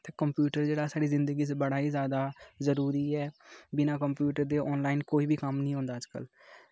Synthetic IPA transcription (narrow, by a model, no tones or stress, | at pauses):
t̪eːkəmpjuːʈəɾd͡ʒeːɽaːsaːɽiːzɪnd̪əɡiːs̬bəɽaːiːzjaːd̪aːzəɾuːɾiːɛːbɪnãːkəmpjuːʈəɾd̪eːʔɔːnlaːɪnkoːiːbiːkəmnĩːɦõːnd̪aːd͡ʒkə̰l